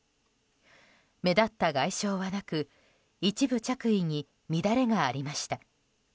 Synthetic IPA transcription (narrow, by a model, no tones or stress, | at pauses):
me̞d̪at̪ːaɡaiɕo̞ːβanakɯ | it͡ɕibɯ̟t͡ɕakɯ̟iɲ̟i | mʲid̪aɾe̞ɡaːɾʲimaɕi̥t̪a